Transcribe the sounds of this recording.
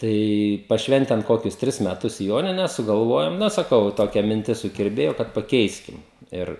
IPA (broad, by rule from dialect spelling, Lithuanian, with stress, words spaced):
ˈtɐɪ pɐˈʃʲʋʲɛnʲtʲɛn ˈkoːkʲʊs ˈtʲrʲɪs mʲɛˈtʊs ˈjoːnʲɪnʲɛs sʊɡɐlˠˈʋoːjoːm ˈnɐ sɐˈkɐʊ ˈtoːkʲɛ mʲɪnʲˈtʲɪs sʊkʲɪrʲˈbʲeːjoː kɐt pɐˈkʲɛɪsʲkʲɪm ˈɪr